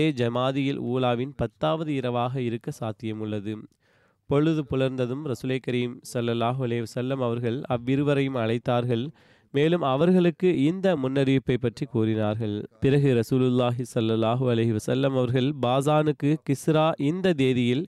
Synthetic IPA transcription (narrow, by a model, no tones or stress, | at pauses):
eːd͡ʒɐmaːðɪjɪ̰lṵːlaːʋɪnpɐt̪ːaːʋɐðɯɪɾɐʋaːɣɐɪɾɯkːɐsaːt̪ɪjɐmɯɭːɐðɯ | pɔɻɯðɯpʊɻɐɾnd̪ɐðɯmɾɐsuːlɐkɐɾiːmsɐlːɐlːaːɦʊɐlɐɪɪʋɐsɐlːɐmɐʋɐɾɣɐɭɐʋːɪɾɯʋɐɾɐjɯmɐɭɐɪt̪ːaːɾɣɐɭ | meːlɯmɐʋɐɾɣɐɭɯkːɯɪnd̪ɐmʊnːɐɾɪʋɪpːɐɪpːɐʈrikuːrɪnaːɾɣɐɭpɪɾɐɣɯɾɐsuːlɯlːaːɦɯsɐlːɐlːaːɦɯɐlɐɪɦɯʋɐsɐlːɐmɐʋɐɾɣɐɭbaːzaːnɯkːɯkɪsɾaːʔɪnd̪ɐd̪eːðɪjɪl